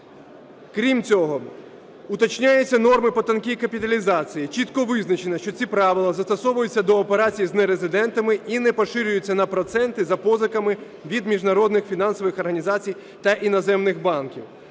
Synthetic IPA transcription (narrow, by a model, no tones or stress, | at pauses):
kɾʲimt͡sʲɔɦɔ | ʊt̪ɐt͡ʃnʲajɛt͡sʲːɐnɔrmɪpɔt̪ɐnkiikɐpʲit̪ɐlʲizɑt͡sʲijit͡ʃit̪kɔʋɪznɐt͡ʃenɐʃt͡ʃɔt͡sʲipɾɑʋɪlˠɐzɐst̪ɔsɔʋʊjʊt͡sʲːɐd̪ɔːpeɾɑt͡sʲijiznɛɾezɪd̪ɛnt̪ɐmɪinɛpɔʃɪɾʲʊjʊt͡sʲːɐnɐpɾɔt̪sɛnt̪ɪzɐpɔzɐkɐmɪ | ʋʲid̪mʲiʒnɐɾɔd̪nɪxfʲin̪ɑnsɔʋɪxɔrɦɐnʲizɑt͡sʲij | t̪ɐʔinɐzɛmnɪxbɑnkʲḭw